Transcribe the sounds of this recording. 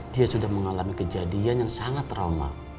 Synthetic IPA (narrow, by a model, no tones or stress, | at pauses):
d̥iasudahməŋalamikəd͡ʒadianjaŋsaŋat̪roma̰